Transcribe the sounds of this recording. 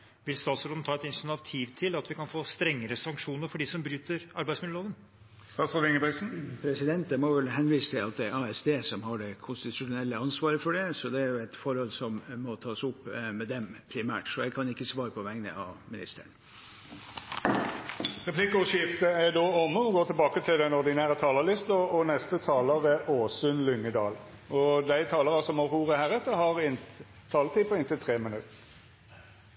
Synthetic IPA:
ʋɪlst̪ɑːt̪sɾoːd̪n̩t̪ʰɑːɛt̪ɪnsnɑʋt̪ʰiːʋt̪ʰɪlɑt̪ʋɪkɑnfoːst̪ɾɛŋːəɾəsɑŋkʂuːnəɾfɔɖiːsɔmbɾyːt̪əɾɑɾbæɪsmɪd̪əoːd̪ən | st̪ɑːt̪sɔɾɛŋəbæsn̩pʰɾɛsɪd̪ɛnt̪əmɔʋɛlɦɛnʋiːsə̥t̪ʰɪlɑt̪̚d̪ɛæɾɑɛsd̪eːsɔmɦɑɖɛkʰʊnst̪ɪt̪ʰʉʂʊnɛlːəɑnsʋɑːɾəfɔɖɛsɔd̪ɛæɾjʊɛt̪fɔɾhɔlːsɔmːɔt̪ʰɑːsʊpːmɛd̪ɛmpʰɾɪmæ̰ːʈsɔjæɪkʰɑnɪkːəsʋɑːɾəpʰɔʋæŋnə̰ʔɑ̰ʋmɪnɪst̪əɳ | ʁɛpʰlɪkːəɔʃɪft̪əæɖ̪oːɔmːəɔɡoːt̪ɪlbɑːkət̪ʰɪld̪ɛnɔɾd̪ɪnæːɾət̪ʰɑːləlɪst̪ɔɔnɛst̪ət̪ʰɑːləʁəʔoːsʉnlʏŋːəd̪ɑːlɔd̪æɪt̪ʰɑːləʁɑsɔmɑhuːʁəhæːɾɛt̪ːəhɑʁɪn | t̪ʰːɑːlət̪ʰiːpʰɔɪnt̪ʰɪlt̪ʰʁeːmənʉt̪ːə

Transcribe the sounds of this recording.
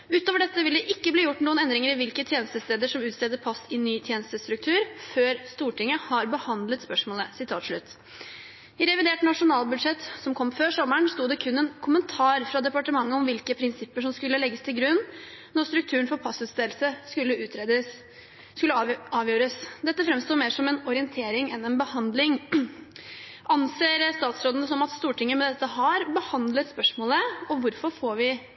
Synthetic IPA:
ʉːt̪oːʋəɖɛt̪ːəʋɪld̪ɛʔɪkːəbliːjʊʈːnuːənɛnd̪ɾɪŋəɾɪʋɪlkət̪ʰjeːnəst̪əst̪eːd̪əʂɔmʉːt̪sɛːd̪əpʰɑsːɪnyːt̪ʰjeːnəst̪əst̪ɾʉk̚t̪ʰʉːɾføːɾst̪uːʈɪŋːəhɑɾbəhɑnd̪lət̪spœʂmoːləsɪt̪ʰɑːt̪ʂɭʉt̪ː | ɪɾɛʋɪd̪eːʈnɑʂʊnɑːlbʉd̪ʂɛt̪ːsɔmkʰɔmføːʂɔmːəɳst̪uːd̪ɛkʰʉnːɛnkʰʊmənt̪ʰɑːɾfɾɑd̪ɛpɑʈəmɑŋːəɔmʋɪlkəpʰɾɪnsɪpːəʂɔmskʉlːəlɛɡːəst̪ʰɪlɡɾʉnːnːɔɾst̪ɾʉk̚t̪ʰʉːəɳfɔɾpʰɑsʉːt̪sd̪eːlsəskʉlːəʉːt̪ʰɾed̪ə | kʉlːəɑːʋjøːɾəsd̪ɛt̪ːəfɾɛmst̪uːɾmeːʂɔmɛnɔɾɪɛnt̪ʰeːɾɪŋɛnɛnbəhɑnd̪lɪŋ | ʔɑnseːɾst̪ɑːt̪sɾoːd̪ənəsɔmɑt̪st̪uːʈɪŋːəmɛd̪ɛt̪ːəɦɑɾbəhɑnd̪lət̪spœʂmoːləɔʋʊɾfɔɾfoːɾʋɪ

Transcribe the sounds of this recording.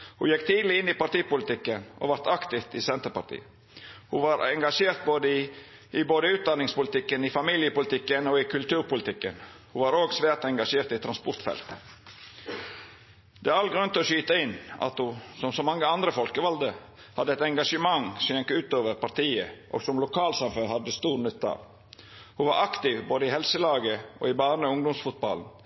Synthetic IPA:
hʊjɛkt̪ʰiːd̪l̩ɪɪnːɪpɑɾʈ̪iːpʊlɪt̪ɪkːənʔɔ̰ʋɑɾt̪ɑkt̪ɪft̪ɪsɛnt̪əɾpɑɾʈ̪ḭːə | hʊʋɑɾɛŋɡɑʂeːɾt̪̚boːd̪əɪ | ɪboːd̪əʉːt̪̚d̪ɑnːɪŋspʊlɪt̪ɪkːənɪfɑmiːljəpʊlɪt̪ʰɪkːənoːɪkʰʉlt̪ʉːɾpʊlɪt̪ʰɪkːə̰nhuʋɑɾoːɡsʋæːɾt̪ɛŋɡɑʂeːɾt̪ɪt̪ʰɾɑnspɔɾt̪fɛ̰lt̪ | d̪ɛːɑlɡɾʉnt̪ɔːʃyːt̪əɪnːɑ̰t̪hʊsɔmsɔmɑŋːəɑnd̪ɾəfɔlkəʋɑld̪ə | hɑd̪ːəɛt̪ɛŋɡɑʂəmɑŋsɔjɛŋkəʉːt̪oːʋəɾpɑɾt̪iːəʔo̰ːɡsɔmlʊkʰɑːlsɑmføːɾhɑd̪ːəst̪uːɾnʉt̪ːɑ̰l | hʊʋɑɾʔɑkt̪ɪʋboːd̪əɪhɛlsəlɑːɡəʔo̰ːɪbɑːɾnəɔʊŋd̪ʊmsfʊt̪̚bɑ̰ln̩

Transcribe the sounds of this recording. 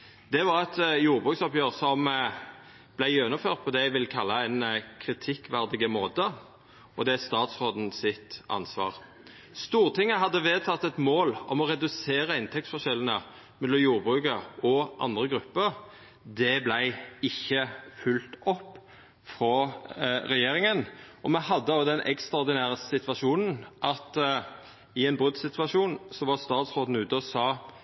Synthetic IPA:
d̪ɛʋɑʁɛt̪juːʁbʁʉːksɔpjøːʁsɔm | b̥læɪjɛnʊføːʁt̪̚pʰɔd̪ɛæɪʋɪlkʰɑlːɑɛnkʰʁɪt̪ʰɪkːʋæʁd̪ɪɡəmoːt̪ə | ʔɔd̪ɛæst̪ɑːt̪sʁoːd̪n̩sɪt̪ɑ̰nsʋɑ̰ːʁ | st̪uːʁt̪ʰɪŋːəɦɑd̪ːəʋeːd̪̚t̪ʰɑt̪ːɛt̪moːlɔ̰mɔʁɛd̪ʉseːʁəɪnt̪ʰɛk̚t̪sfɔʃɛlːən̩ə | mɛlːɔmjuːʁbʁʉːkəɾɔʔɑ̰nd̪ʁəɡɾʉpːəɾ | d̪ɛblæɪɪçːəfʉlt̪ɔpː | fʁɔ | ʁɛjeːɾɪŋənɔmɛhɑd̪ːəd̪ɛnʔɛ̰kst̪ɑʁd̪ɪnæːʁəsɪt̪ʋɑʂuːnn̩ʔɑt̪ | ɪɛnbʁʉd̪sɪt̪ʰʋɑʂuːnsɔʋɑʁst̪ɑːt̪sʁoːd̪n̩ʉːt̪əɔsɑː

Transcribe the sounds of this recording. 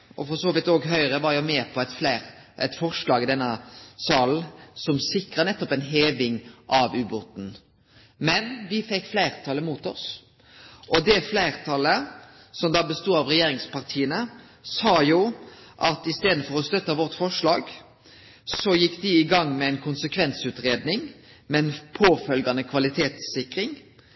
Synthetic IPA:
ʔɔ̰fɔsoːʋɪt̪oːɡɦœʏɾəʋɑɾjʊmeːpʰɔɛt̪flæɪɾʔɛ̰t̪fɔʁʂlɑːɡɪd̪ɛnːəsɑːln̩sɔmsɪkʁənɛt̪ːɔpɛnɦeːʋɪŋʔɑʋʉːbuːt̪n̩ | mɛnʋɪfɛkːflæɪʁt̪ʰɑləmuːt̪ɔs | ʔɔd̪ɛflæɪʁt̪ʰɑlə | sɔmd̪ɑːbəst̪uːɑʋʁɛjeːɾɪŋspɑʁt̪ʰiːənə | sɑːjuːʔɑt̪ɪst̪eːd̪n̩fɔʁɔst̪œt̪ːəʋɔʁt̪fɔʂɭɑːɡ | sɔjɪkːd̪ɪɪɡɑŋːmɛæɪnkʰʊnsəkʰʋɛnsʉːt̪ʁeːd̪nɪŋ | mɛnpʰoːfœlɡɑnəkʰʋɑlɪt̪ʰeːt̪sɪkɾɪŋ

